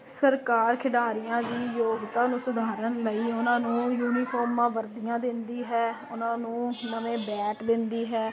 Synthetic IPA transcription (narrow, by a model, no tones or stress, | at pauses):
səɾkaːɾkʰɪɖaːɾɪjãːd̪iːjoːɡt̪aːnũːsʊd̪ʱaːɾənləiːʊnãːnũːjuːniːpʰɔːɾmãːʋəɾd̪ijãːd̪ɪnd̪iːɦɛːʊnãːnũːnəʋẽːbɛːʈd̪ɪnd̪iːɦɛː